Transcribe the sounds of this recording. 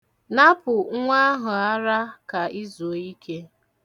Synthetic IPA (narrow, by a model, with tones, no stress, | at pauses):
na˦pʊ˨˦ŋʷa˦ɦʊ˨a˦ɾa˦ka˨i˦zo˨i˦kʰe˦